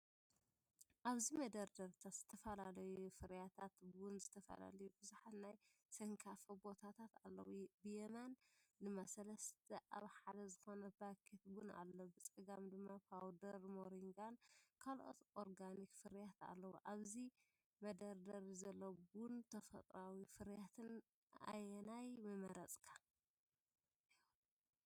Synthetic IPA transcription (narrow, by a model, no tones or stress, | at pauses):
ʔaβzimɐd̪ɐɾd̪ɐɾt̪ʰat̪z̥ɨt̪ʰɐfɐlalɐjufɨɾjat̪ʰat̪wʊnzɨt̪ʰɐfɐ̰la̰lɐjubɨzuħat̪naj | sɐŋkʰafɐbo̞t̪ʰat̪ʰat̪a̰lːɐ̰wubɨjɛmand̪ɨmːasɐlɐst̪ʰɐʔaβħad̪ɐzɨxo̞nɐbakʰit̪̚wuna̰lːobɨt͡sʼɨɡamd̪ɨmːapʰawd̪ɐɾmoɾiŋɡankʰalʔo̰t̪ʔoɾɡanikfɨɾjat̪a̰lːɐwuʔaβzi | mɐd̪ɐɾd̪ɐɾzɐlːɐbʊnt̪ʰɐfɐ̰t̪ʼɾawifɨɾjat̪ʰɨn | a̰jɛnajmɨmɐɾɐt͡sʼkʰḁ